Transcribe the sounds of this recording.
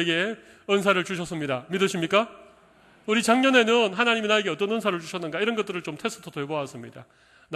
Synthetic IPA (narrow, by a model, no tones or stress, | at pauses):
eɡe̞ | ʌns̬ʰaɾɯɭt͡ɕuɕʰʌs͈ɯmɲidamidɯɕʰimɲik͈a | uɾit͡ɕaŋɲʌne̞nɯnɦanaɲiminaeɡeʌt͈ʌnʌnsʰaɾɯɭt͡ɕuɕʰʌnːɯnɡaiɾʌnɡʌt͈ɯɾɯɭt͡ɕomtʰe̞s͈ʰɯ̥tʰoteboas͈ɯmɲida̰ | n